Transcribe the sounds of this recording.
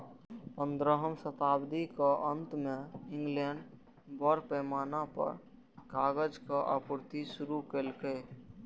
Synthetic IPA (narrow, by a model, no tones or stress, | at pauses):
pə̃nd̪ɾəɦəmsət̪aːbd̪ikaʔə̃nt̪mẽɪ̃ŋɡlɛɳɖ | bɔɾpɛːmaːnapə̰ɾ | kaːɡəd͡ʒkaʔapʊɾt̪isʊɾukeːlkeː